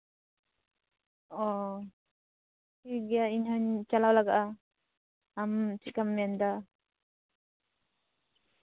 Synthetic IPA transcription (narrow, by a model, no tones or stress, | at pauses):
ɔ | kiɡijaiɲɦant͡ʃalawlaɡaʔa | mt͡ʃikamːɛnd̪a